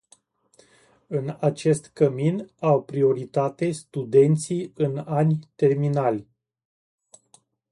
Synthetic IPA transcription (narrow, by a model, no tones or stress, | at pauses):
ɨnat͡ʃe̞st̪kəminawpɾio̞ɾit̪at̪e̞st̪ud̪e̞nt̪siɨnanʲt̪e̞rminalʲ